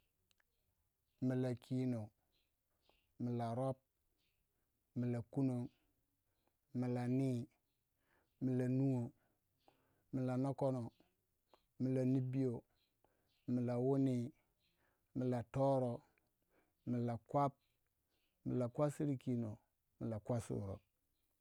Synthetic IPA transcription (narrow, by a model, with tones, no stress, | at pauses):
mi˨la˨kʰi˦no˨ | mi˨la˨ɾo˦p̚ | mi˨la˨ku˦no˦ | mi˨la˨ni˦ | mi˨la˨nu˦wo˨ | mi˨la˨no˦ko˦no˨ | mi˨la˨ni˦bi˦jo˨ | mi˨la˨wo˦ni˦ | mi˨la˨to˦ɾo˨ | mi˨la˨kʷa˦p̚ | mḭ˨la˨kʷa˦si˦ɾi˦ki˦no˨ | mi˨la˨kʷa˦sṵ˨ɾo̰˨